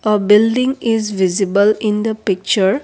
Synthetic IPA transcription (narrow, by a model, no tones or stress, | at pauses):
əbɪlɖĩŋɪzʋizibəlɪ̃nd̪əpɪk̚t͡ʃəɾ